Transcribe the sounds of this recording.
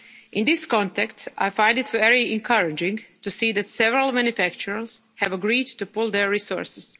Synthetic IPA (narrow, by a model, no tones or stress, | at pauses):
ʔɪ̃nd̪ɪskɔ̃ntɛkta̰jfãj̃ndɪtʋɛɹiɛ̃nkʰaɹɪd͡ʒɪ̃ŋɡtusiːd̪ætsɛʋɛɾalˠmãnjufækt͡ʃuɹals | hɛʋəɡɾiːdtupʊlˠd̪ɛɹːisɔ̰ɹsɪz̥